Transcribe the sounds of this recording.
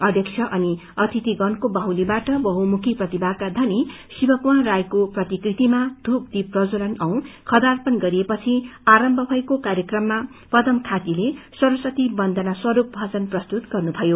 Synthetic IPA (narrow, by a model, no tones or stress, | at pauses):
ʌd̪ʱjʌkt͡sʰjʌʔʌni | ʌt̪ʰit̪iɡʌnkobʌɦwlibaʈʌbʌɦumukʰiprʌt̪ibakad̪ʱʌni | sibʌkwarajkoprʌt̪ikrit̪imad̪ʱup̚d̪iprʌd͡zolʌnʌw̃kʰʌd̪arpʌnɡʌɾiepʌt͡sʰiaɾʌmbʱʌbʱʌjkokaɾjekrʌmːa | pʌd̪ʌmkʰat̪ilesʌɾusʌt̪ibʌnd̪ʱʌnaswʌɾup̚bʱʌt͡sʌnprʌst̪ut̪ɡ̥ʌrnubʱʌjo